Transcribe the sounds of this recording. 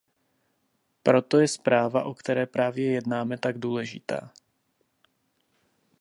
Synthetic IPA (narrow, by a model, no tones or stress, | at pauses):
pɾo̞t̪o̞jɛspɾaːvaʔokt̪ɛɾɛːpɾaːvjɛjɛdnaːmɛt̪aɡduːlɛʒɪ̰t̪a̰ː